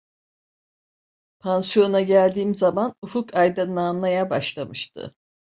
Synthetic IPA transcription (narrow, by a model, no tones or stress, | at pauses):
pʰansjo̞naɟælʲd̪iːmzamanufukʰajd̪ɯnːanlˠajabaʃlˠamɯʃt̪ʰɯ̰